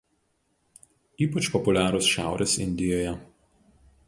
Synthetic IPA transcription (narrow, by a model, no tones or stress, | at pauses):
iːpɐt͡ʃpɔpʊlʲæːɾosʃʲæ̰ˑʊɾʲʔesɪ̰nʲd̪ʲɪjoːjɛ